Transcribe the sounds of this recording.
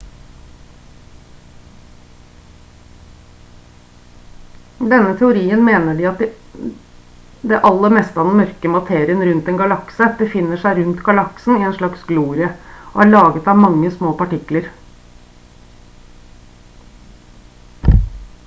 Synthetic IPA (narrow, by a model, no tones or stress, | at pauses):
d̪ɛnːət̪ʰɛʊɾiːənmeːnəɖiːɑt̪̚ | d̪ɛʔɑlːəmɛst̪əɑd̪ɛn̩mœɾkəmɑt̪ʰeːɾɪənɾʉnt̪ɛnɡɑlɑksəbəfɪnːəʂæɪɾʉnt̪ɡɑlɑksn̩ɪɛnʂlɑksɡluːɾɪəoːæːɭɑːɡət̪ɑʋmɑŋːəsmoːpɑʈɪkləɾ